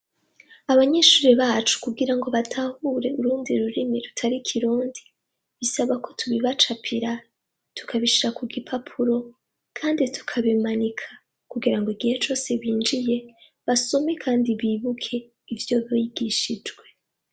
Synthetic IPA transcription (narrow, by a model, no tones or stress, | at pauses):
aβaɲe̞ːʃuːɾiβaːt͡ʃu̥kuɡiɾaŋɡo̞βatʰahuɾe̞uɾuːndiɾuɾimeɾutʰaɾikʰiɾuːndi | βisaβako̞tuβiβat͡ʃapʰiɾa | tu̥kʰaβiʃiɾakuɡipʰapʰuɾo̞ | kʰaːnditʰu̥kʰaβimanikʰḁ | kuɡiɾaŋɡoiɡihe̞t͡ʃo̞ːse̞βiːnd͡ʒije̞ | βaso̞me̞kʰaːndiβiːβukʰe̞ | ivjo̞βijiɡiʃid͡ʒɡwe̞